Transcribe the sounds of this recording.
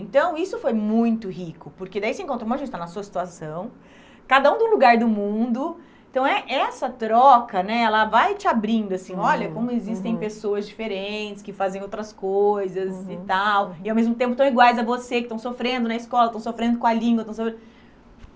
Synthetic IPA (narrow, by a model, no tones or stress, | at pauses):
ẽnt̪ɐ̃w̃isʊfojmũj̃t̪ʊhikʊpʊɾked̪aisɪẽŋkõnt̪ɾõmɐʒẽt͡ʃɪt̪anɐsuɐsi̥t̪uasɐ̃w̃ | kad̪ɐũd̪ʊ̃luɡaɾd̪ʊmũd̪ʊ̃ | t̪ɐ̃w̃ɛʔɛsɐt̪ɾɔkɐnɛɛlɐvajt͡ʃɪabɾĩnd̪ʊasĩɔlʎɐkõmʊezist̪ẽj̃pesoɐzd͡ʒifeɾẽt͡ʃɪ̥skɪfazẽj̃owt̪ɾɐskojzɐzɪt̪awɪawmezmʊt̪ẽmp̬ʊt̪w̃iɡwajzɐvosekɪ̥st̪ɐ̃w̃sofɾẽnd̪ʊnɐiskɔlɐt̪ɐ̃w̃sofɾẽnd̪ʊkõɐlĩŋɡwɐt̪ɐ̃w̃sofɾẽd̪